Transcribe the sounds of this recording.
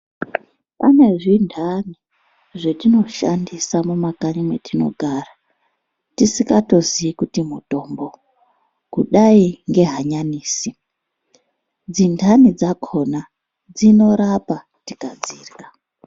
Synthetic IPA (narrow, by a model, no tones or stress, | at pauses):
pane̞ʐindʰʱani | ʐetino̞ʃandisamumakaɲimwetino̞̰ɡʱara | tisikato̞ziikutimuto̞mbo̞ | kuɗaiŋɡe̞ɦaɲaniːsi | d͡zindʱanid͡zakʰo̞na | d͡zino̞ɾapa | tikad͡ziːrka